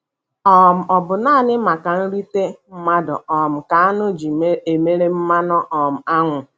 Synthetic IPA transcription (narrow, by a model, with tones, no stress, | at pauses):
ɔ˨m̩˨ɔ˨bʊ˨na˦˨nɪ˦ma˨ka˨n̩˦ɾi˦te˦m̩˦ma˦dʊ̰˨ɔ˨m̩˨ka˨a˦nʊ˦d͡ʒi˨˦e˨me˦ɾe˦m̩˦ma˦nɔ˦ʔɔ˨m̩˨a˦ŋʷʊ˨